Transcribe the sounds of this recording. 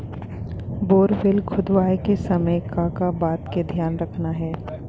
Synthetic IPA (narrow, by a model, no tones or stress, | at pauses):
boːɾfɪlkʰʊd̪ʋaːekesɐməjkaːkabaːt̪ked̪ʱjaːnɾɐkʰnaɦɛː